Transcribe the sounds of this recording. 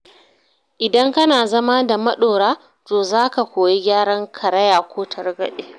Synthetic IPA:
ʔɪ˨dɐ˦ŋkɐ˦naː˨zɐ˦ma˦da˨mɐ˦ɗoː˨ɽaː˦ | toː˨zaː˦ka˨kʷoː˨je˦ɡʲaː˦ɽɐ˦ŋkʰɐ˨ɽɐ˦jaː˨kʷʰoː˦tʰɐ˨rɡɐ̰˦ɗeː˦

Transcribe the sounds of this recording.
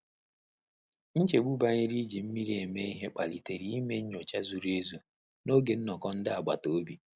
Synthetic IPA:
n̩˦t͡ʃe˨ɡ͡bu˦ba˦ɲɪ˦ɾi˦d͡ʒi˨m̩˦mi˦ɾi˦e˨me˦i˦ɦe˦k͡pa˨li˨te˨ɾi˨i˦me˦ɲ̩˦ɲ˦o˨t͡ʃa˦zu˨ɾe˦zu˨ | no˦ɡe˨n̩˦nɔ˨kɔ˦n̩˦dɪ˦a˨ɡ͡ba̰˨to˨o˦bi˨

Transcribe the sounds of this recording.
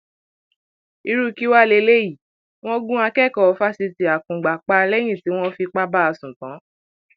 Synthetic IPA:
i˧ɾu˦˧ki˦wa˦˨le˧˦le˦ji˦˨ | w̃ɔ̃˦ɡũ˦a˧kɛ˦˨kɔ˨ɔ˧˦fa˦si˧ti˧a˨kũ˨ɡ͡ba˨k͡pa˧lɛ˦j̃ĩ˦˨ti˨˦w̃ɔ̃˦fi˧k͡pa˦ba˦a˧sũ˨tã˨˦

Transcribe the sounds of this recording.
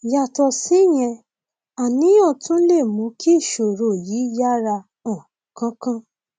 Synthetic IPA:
ja˧tɔ˧si˨˦j̃ɛ̃˧ | a˨nĩ˨˦j̃ɔ̃˦˨tũ˦le˦˨mũ˨˧˦kʰi˦˨ʃo˨ɾo˨ji˨˦ja˦ɾa˧ | ɔ̃˨kã˦kã˦

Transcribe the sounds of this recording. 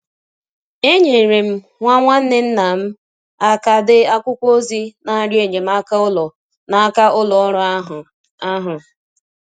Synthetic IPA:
e˦ɲe˨ɾe˨m̩˦ | ŋʷa˦ŋʷa˦n̩˦nɪ˦n̩˦na˨m̩˦ | a˦ka˨dɪ˦a˦kʷʊ˦kʷo˦zi˦na˨˦ɾje˨ɲe˨m̩˦a˦ka˦ʊ˦lɔ˨ | na˨a˦ka˦ʊ˦lɔ˨ɔ˦ɾɔ˦ɦ | a˦ɦʊ˨

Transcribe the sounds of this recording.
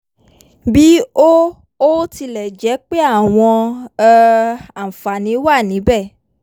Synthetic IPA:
bi˦o˦ | o˦ti˧lɛ˨d͡ʒɛ˨˦k͡pe˦a˦˨w̃ɔ̃˧˦ | a˨fa˨nĩ˨˦wa˦˨nĩ˨˦bɛ˦˨

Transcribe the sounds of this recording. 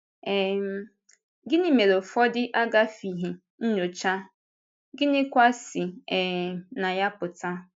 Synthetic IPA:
ɛ˨m˨ | ɡɪ˦nɪ˦me˨ɾo˨fɔ˦dɪ˦ʔa˦ɡa˦fi˨ɦe˨ | n̩˦ɲo˨t͡ʃa˦ | ɡɪ˦nɪ˦kʷa˦sɪ˨ɛ˨na˨ja˦pʊ˨ta˦

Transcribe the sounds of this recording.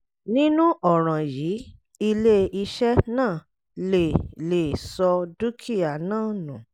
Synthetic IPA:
nĩ˦nũ˦ʔɔ˦˨ɾ̃ã˨jiː˨˦ | i˧le˦i˧ʃɛ˦nãː˦˨ | le˨le˨sɔ˧du˦kʰi˦˨a˨nãː˦˨nũ˨

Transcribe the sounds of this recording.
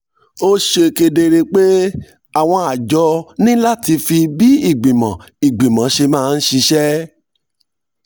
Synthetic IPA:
o˦ʃe˧ke˧de˧ɾe˧k͡pe˦ | a˦˨w̃ɔ̃˧a˨d͡ʒɔ˧nĩ˦la˦ti˧fi˧bi˨˦i˦˨ɡ͡bĩ˨mã̰˨ | i˨ɡ͡bĩ˨mã˨˦ʃe˧mãː˦˧n̩˦ʃi˧ʃɛ˦

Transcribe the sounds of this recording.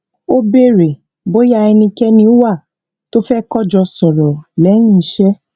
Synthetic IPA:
o˦be˦ɾe˨ | bo˨˦ja˦˧˨ɛ˧nĩ˧kɛ˦nĩ˧˦wa˦˨ | to˦fɛ˦kɔ˦d͡ʒɔ˧sɔ˨ɾɔ˨lɛ˨˦j̃ĩ˦˨˦ʃɛ˦

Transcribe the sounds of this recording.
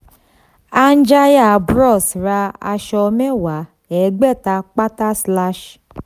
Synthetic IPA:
a˦n̩˦d͡ʒa˦ja˦˨bɾɔ˦˨sɾa˧a̰˧ʃɔ˧me˦wa˨˦ | ɛ˨˦ɡ͡bɛ˦˨ta˧k͡pa˦ta˦sla˦ʃ

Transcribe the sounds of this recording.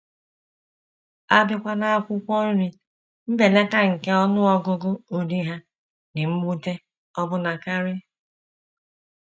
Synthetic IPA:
a˦bɪ˦kʷa˦na˦a˦kʷʊ˦kʷɔ˦ɾi˨ | m̩˦be˨le˦ka˦ŋ̩˨ke˦ɔ˦nʊ˦ɔ˦ɡʊ˦ɡʊ˦o˨di˦ɦa˦ | nɪ˨m̩˦mu˦te˦ | ɔ˦bʊ˦na˨ka˦ɾɪ˦

